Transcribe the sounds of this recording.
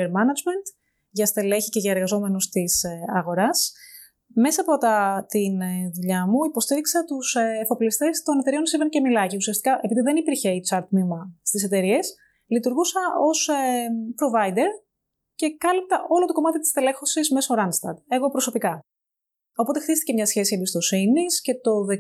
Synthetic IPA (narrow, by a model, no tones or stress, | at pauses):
eɾmɐnɐd͡ʒme̞nt̪ | ʝɐst̪e̞leçice̞ʝɐe̞ɾɣɐzo̞me̞nust̪isɐɣo̞ɾɐs | me̞sɐːpot̪ɐt̪inðuʎɐmuipo̞st̪iɾiksɐt̪usːfoplist̪e̞st̪o̞net̪e̞ɾio̞nsivencemilɐciusiɐst̪i̥kɐʔe̞piðiðe̞nipiɾçeit͡sɐɾt̪mimɐst̪ise̞t̪e̞ɾie̞s | lit̪uɾɣusɐo̞spɾo̞vɐid̪e̞ɾ | ce̞kɐlip̚t̪ɐʔo̞lot̪o̞ko̞mɐt̪it̪i̥st̪e̞le̞xo̞sizme̞soɾɐnst̪ɐ̰ɾd̪e̞ɣo̞pɾo̞so̞pikɐ | o̞po̞t̪e̞xt̪ist̪icemɲɐsçe̞siembist̪o̞sinisce̞t̪o̞ðe